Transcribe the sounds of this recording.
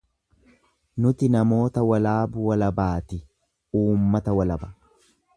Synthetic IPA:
nʊt̪ɪnɐmo̞ːt̪ɐwɐlaːbʊwɐlɐbaːt̪ɪ | uːmːɐt̪ɐwɐlɐbɐ̥

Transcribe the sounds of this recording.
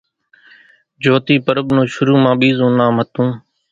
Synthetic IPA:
d͡ʒoːt̪iːpəɾəbnõːʃʊɾuːmãːɓiːzõːnãːmət̪ũː

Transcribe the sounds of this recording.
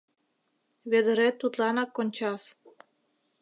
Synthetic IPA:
βed̪ə̆ɾet̪ːut̪lɑnɑkːonʲt͡ɕɑf

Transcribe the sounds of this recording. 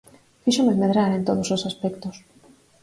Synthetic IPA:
fiʃomemeðɾaɾent̪oð̞ososaspɛkt̪os

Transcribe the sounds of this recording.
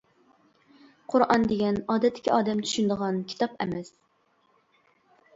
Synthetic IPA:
qʰʊɾʔɑnd̪eɡʲɛnɑːd̪ɛt̪ʰːɪ̥kʲʰiɑːd̪ɛmt͡ʃ̪ʰy̥ʃynd̪əʁɑnkʲʰi̥t̪ʰɑpɛ̰mɛs

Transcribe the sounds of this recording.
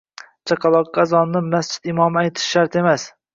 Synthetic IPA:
t͡ʃʰaqʰɑlˠɒqɡɑzɒnːɪmast͡ʃʰɪ̥t̪ɪmɒmajt̪ʰɪ̥ʃʃːaɾt̪e̞mas

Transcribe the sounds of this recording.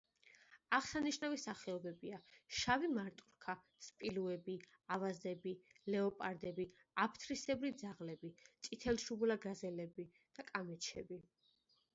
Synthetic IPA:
aχsaniʃnavisaχɛɔbɛbiaʃavimaɾt̪ʼuɾkʰa | spʼiluɛbi | avazd̪ɛbilɛɔpʼaɾd̪ɛbi | apʰt̪ʰɾisɛbɾid̪zaʁlɛbit̪sʼit̪ʰɛlʃublaɡazɛlɛbi | d̪̥akʼamɛt͡ʃʰɛ̰bi

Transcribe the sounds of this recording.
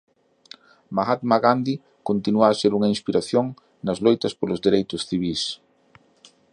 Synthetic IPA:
maɣat̪maɣand̪i | kont̪inuaːseɾuŋɐĩnspiɾaθjoŋ | nɐzlojt̪ɐspolʊzðeɾejt̪ʊsθiβ̞is

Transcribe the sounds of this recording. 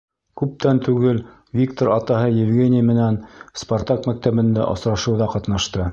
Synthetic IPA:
kʉp̚t̪ænt̪ʉɡɘl | vʲik̚t̪oɾɑt̪ɑɦɤjɘ̆vɡʲenʲɪjmɘ̆nænsport̪akmæk̚t̪æβɘ̆nd̪æ̰ʔŏ̰sɾɑʃɤ̆wðɑqɑt̪nɑʃt̪ɤ

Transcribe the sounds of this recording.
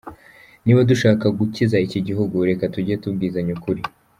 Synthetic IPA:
niβwoduʃaːkaɡucizaiciɟiɦuɡuɾe̞katuɟietub̚ɡiːzaɲukuɾi

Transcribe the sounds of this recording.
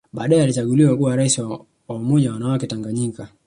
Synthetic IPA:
ɓaːɗaɛalit͡ʃaɡuliwakuwaɾaisiw | waumɔʄawanawakɛtaŋɡaɲika

